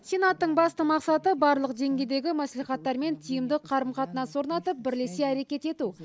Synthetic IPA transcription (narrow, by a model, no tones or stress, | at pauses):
sʲe̞nat̪ːəɴbɑst̪əmɑqsɑt̪əbɑɾlˠəqʒe̞ŋɡʲe̞d̪e̞ɡʲɪmæsliχɑt̪ːɑɾme̞nt̪ʰijəmd̪ɪqʰɑɾəmqɑt̪ənɑnso̞ɾnɑt̪əp̚bɪɾleseæɾe̞kʲe̞t̪e̞t̪u